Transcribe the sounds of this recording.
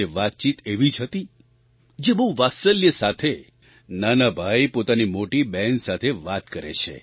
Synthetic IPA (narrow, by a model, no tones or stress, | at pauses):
eʋat̪̚t͡ʃit̪eʋid͡ʒɦət̪i | d͡ʒebəuʋasəljəsat̪ʰe | nanabʱajpot̪animoʈibɛnsat̪ʰeʋat̪kəɾḛt͡ʃʰḛ